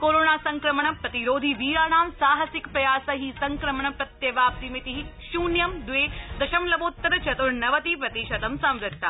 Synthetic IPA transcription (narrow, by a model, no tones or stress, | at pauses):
koːɾoːnaːsɐŋkɾɐmɳɐpɾɐt̪iɾoːd̪ʱiʋiːɾaːnaːmsaːɦɐsɪkpɾɐjaːsɐɦisɐŋkɾɐmɐɳɐpɾɐt̪jɐʋaːp̚t̪imit̪iɦiʃuːnjɐmd̪ʋeːd̪ɐʃɐmlɐboːt̪ːɐɾɐt͡ʃɐt̪uɾnɐʋɐt̪ipɾɐt̪iʃɐt̪ɐmsɐ̃mɾɪt̪ːɐ